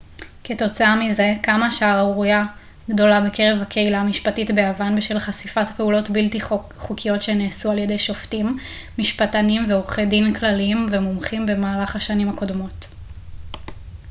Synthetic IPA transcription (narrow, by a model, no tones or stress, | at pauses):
ke̞to̞t͡saamize̞kamaʃaːʁaʁuja | ɡdo̞labe̞ke̞ʁe̞vhakʰeilamiʃpatitbe̞avanbeʃelχasifatpe̞ulo̞tbilti | χukʰijo̞tʃeneːsualjede̞jʃo̞ftimː | iʃpatanimveoχedimklaliimvemomχimbe̞maːlaχhaʃanimako̞dmo̞t